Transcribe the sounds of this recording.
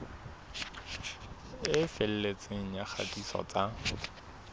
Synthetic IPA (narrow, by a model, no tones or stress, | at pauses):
ɪfel̩let͡sʼeŋ̩jak͡xʰa̰tʼisɔ̰t͡sa